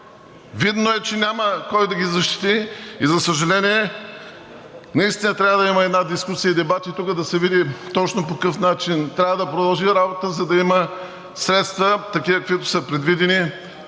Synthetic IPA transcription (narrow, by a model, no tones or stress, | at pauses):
vid̪noɛt͡ʃɛnʲaməkɔjd̪ɐɡʲizɐʃt̪i̥t̪iizɐsəʒɐlɛniɛ | nɐist̪inət̪ɾʲavəd̪ɐiməɛd̪nad̪iskusijəd̪ɛbat̪it̪ukəd̪ɐsɛvid̪it̪ɔt͡ʃnopokɤfnat͡ʃint̪ɾʲavəd̪ɐpɾod̪ɐlˠʒiɾabot̪əzɐd̪ɐimə | sɾɛt̪st̪vət̪ɐkivəkɐkvit̪ʊ̥səpɾɛd̪vid̪ɛni